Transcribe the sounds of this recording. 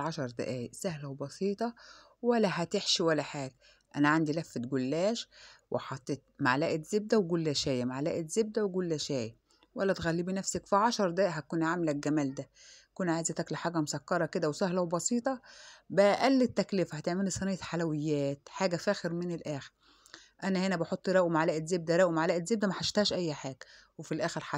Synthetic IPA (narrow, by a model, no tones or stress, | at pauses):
ʕɑʃɑɾˤd̪æ̰ʔæːjʔsæhlæwbɑsˤiːt̪ˤɑ | wælːæɦæt̪eħʃiwælːæħaːɡæ | ʔænæʕand̪ilæfːet̪ɡʊlːæːʃwʔɪ̰ħɑt̪ˤːeːt̪̚maʕlæːʔɪt̪zɪb̚d̪æwɡʊlːæʃæːjmaʕlæ̰ːʔɪt̪zeb̚d̪æweɡʊlːæʃæːj | wælːæt̪ɣælːiːbinæfsækfiʕɑʃɑɾˤd̪æʔːʔɦækuːnʕamlæɡæmæːld̪æ | kunʕaːjzæt̪æklæħaːɡæmʊsækːɑɾˤɑked̪æwsæhlæwebɑsiːt̪ˤɑbæʔælːet̪ːæklɪfæhæt̪eʕmelisˤɑnejːæħalæwɪjːæːt̪ħaːɡæfæːxeɾmɪnɪlʔæːxeɾ | ʔænæhenæbɑħot̪ˤːɾˤæʔumaʕlæːʔet̪zeb̚d̪æɾˤæʔumaʕlæːʔet̪zeb̚d̪æmæħaʃt̪æːʃʔæjːħaːɡ̥æ | wefilʔæːxeɾħa